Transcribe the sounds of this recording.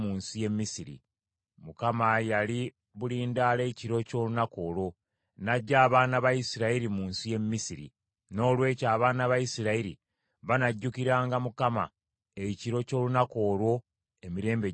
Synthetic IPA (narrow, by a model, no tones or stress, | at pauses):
muːnsije̞mːisiɾḭ | mukamajali | βuliːndaːle̞ːciɾo̞co̞ːlunako̞ːlwo̞ | naɟːaːβaːnaβajisiɾaiɾimuːnsije̞mːisiɾḭ | no̞ːlwe̞ːcaːβaːnaβajisiɾaiɾḭ | βanaɟːukiɾaːŋɡamukama̰ | eciɾo̞co̞ːlunako̞ːlwo̞ | e̞miɾe̞ːmbe